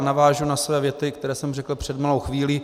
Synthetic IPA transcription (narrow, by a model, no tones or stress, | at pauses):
navaːʒunasvɛːvjɛt̪ɪkt̪ɛɾɛːsɛmrɛkl̩pr̝̥ɛd̪malowxviːliː